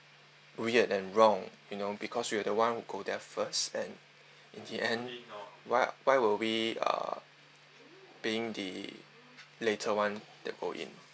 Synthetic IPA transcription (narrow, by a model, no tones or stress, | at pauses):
ɹiədɛ̃nɹɔ̃ŋjunobikʰɔswiadəwãnhuɡodɛfəstɛ̰̃n | ʔĩndiʔɛ̃nwaɪwaɪwilwiʌ̰ | b̥iɪ̃ŋdə̰ | letʰəwãndɛ̰t̚ɡ̥oʔḭ̃n